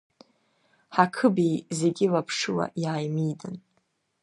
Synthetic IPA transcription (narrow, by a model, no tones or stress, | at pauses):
ħakʰɨbijze̞ɡʲɪlapʰʂɨwa̰ʔjaːjmijdɨn